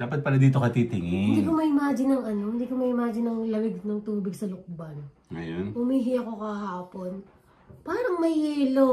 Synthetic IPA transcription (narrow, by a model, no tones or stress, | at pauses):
d̪̥aːpɐt̪̚paːɾɐd̪iːt̪o̞kɐt̪it̪ɪŋɪɪɪnd̪iːkomɐʔɪmaːd͡ʒɪnɐŋɐno̞hɪnd̪iːkomɐʔɪmaːd͡ʒɪnɐŋlɐwɪɡ̚nɐŋt̪uːbɪɡsɐlʊk̚bɐn | ɐ̰jonʔʊmiːɦɪʔɐko̞kɐɦaːpo̞n | paːɾɐŋmɐjiːlo